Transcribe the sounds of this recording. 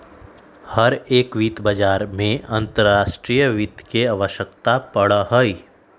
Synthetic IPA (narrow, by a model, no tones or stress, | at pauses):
həɾeːkʋiːt̪bəd͡ʒaːɾmẽɐ̃nt̪əɾːaːʃʈɾiːjəʋit̪keaʋəʃəkt̪apəɽɦoi